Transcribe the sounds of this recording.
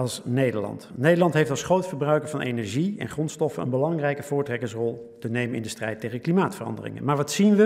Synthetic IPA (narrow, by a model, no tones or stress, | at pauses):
ɑlˠsnejdəɹlɑ̰ntnejdəlɑntɦejftɑlˠsχrowtfəɹbrœɥkəɹvɑnʔejnɛɹʒiɛ̰nχrɔnstɔfənə̰nbəlɑŋrɛjkəvʊːɹtrɛkəŋsrɔlˠ | tənejmənɪndəstrɛjtːejχəklimaːtfərɑ̰ndərɪ̰ŋə̰nmaːɹʋɑtsinʋə